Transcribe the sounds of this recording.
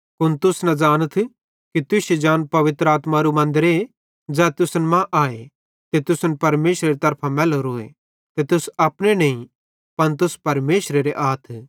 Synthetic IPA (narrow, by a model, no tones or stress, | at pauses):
kʊnt̪ʊsnɐ̃d͡ʒaːñət̪ʰ | kit̪ʊsed͡ʒaːnpɐʋɪt̪ɾəaːt̪maɾumɐ̃nd̪ɾe | d͡zɛːt̪ʊsnmãʔaːe | t̪et̪ʊsnpɐɾmeːʃɾeɾit̪ɐɾpʰamɛːloɾoːḛ | t̪et̪ʊsɐpɽ̃enɐ̃ĩ | pɐnt̪̬ʊspɐɾmeːʃɾeɾeʔaːt̪ʰ